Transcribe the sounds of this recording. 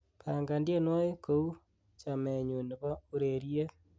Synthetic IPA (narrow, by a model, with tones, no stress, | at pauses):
pʰa˨ŋɡa˨ndje˦nwɔ˦e˦ko˦u˦ | t͡ʃame˨ɲu˨ne˨βa˦u˦ɾeɾie˦